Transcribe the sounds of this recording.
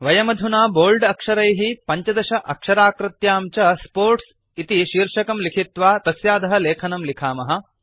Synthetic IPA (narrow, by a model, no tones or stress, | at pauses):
ʋɐjɐmɐd̪ʱunaːboːlɖɐkʂɐɾɐjɦipɐɲt͡ʃɐd̪ɐʃɐʔɐkʂɐɾaːkɾɐt̪jaːmt͡ʃɐspoːɾʈs | it̪iʃiːɾʂɐkɐmlikʰit̪ʋaːt̪ɐsjaːd̪ɐɦɐleːkʰɐnɐmlikʰaːmɐɦɐ̆